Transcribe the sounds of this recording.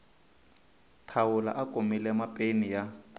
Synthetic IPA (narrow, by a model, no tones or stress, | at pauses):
tʰawʊla̰ʔakʼomilɛmapʼenija